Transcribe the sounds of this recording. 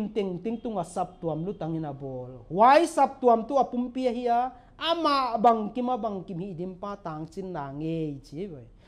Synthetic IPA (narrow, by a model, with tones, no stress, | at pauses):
nt̪e˨ŋt̪i˦ŋt̪u˧˦ŋa˨sa˧p̚t̪u˨ɐ˨mlu˦t̪a˨˦ŋi˧na˨bɔː˨lwa˦jsa˧p̚t̪u˨a˨mt̪u˦a˨pu˦mpi˦a˧ɦi˦ʔaː˧˦˧ | ma˧ʔba˨ŋki˦ma˦ba˨ŋki˨mhi˧˨ʔdi˧˦mpaː˦t̪aː˨˦ŋt͡si˦nːa˨ŋe˧jt͡ʃi˦bɔ˨j